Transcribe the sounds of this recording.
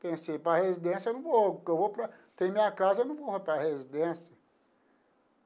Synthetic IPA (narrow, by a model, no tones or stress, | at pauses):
pẽsepɾɐhezid̪ẽsijɐewnɐ̃w̃vokewvopɾɐt̪ẽj̃mĩɲɐkazɐewnɐ̃w̃vohepɾɐhezid̪ẽsijɐ